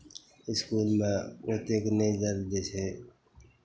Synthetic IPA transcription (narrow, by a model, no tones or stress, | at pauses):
ɪskuːlmẽːoːt̪eːkneizəɾd̪eːseː